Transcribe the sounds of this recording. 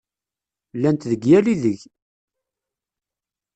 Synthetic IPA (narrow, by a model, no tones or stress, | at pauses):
lːænt̪ðəɡjæliðəʝ